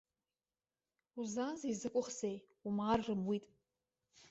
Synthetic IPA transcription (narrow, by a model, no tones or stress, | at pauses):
uzanzizɨkʷʼʊχzej | umarrɨmwitʼ